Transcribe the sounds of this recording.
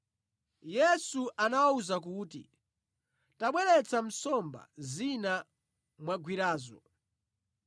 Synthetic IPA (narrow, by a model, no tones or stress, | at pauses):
jɛsuʔanawauzak̬uːtḭ | taɓwɛɾɛt͡sʰam̩sɔmba̰zina | mwaɡwiɾaːzɔ